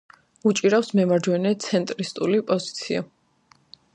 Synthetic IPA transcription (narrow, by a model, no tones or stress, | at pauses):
ut͡ʃʼiɾafsmɛmaɾd͡ʒwɛnɛt̪sʰɛnt̪ʼɾist̪ʼulipʼɔzit̪sʰia̰